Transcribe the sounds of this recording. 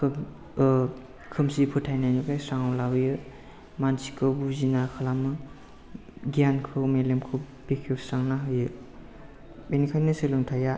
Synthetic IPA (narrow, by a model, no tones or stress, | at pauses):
kʰɯ | kʰɯmsipʰɯtʰajnanukajsaŋawlawjɯ | mansikʰɯwbuzinakʰalamɯ | ɡijankʰɯwmelemkʰɯw | bekʰesaŋnaɦɯjɯ | benikʰajnɯsɯlɯŋtʰaja